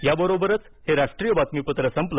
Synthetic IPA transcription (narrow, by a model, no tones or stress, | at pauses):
jabəɾobəɾət͡s | heɾaʂʈɾijəbat̪mipət̪ɾəsəmplə